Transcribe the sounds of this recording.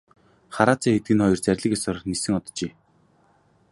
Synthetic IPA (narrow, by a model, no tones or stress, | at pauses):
χaɾaːt͡sæːxet̪̚ɡɘ̆nχɔjɞ̆rt͡sæɾ̆ʲɮɘ̆kʲjasɔrɞ̆χnisɘ̆ŋɔt̪ɞ̥̆t͡ɕeː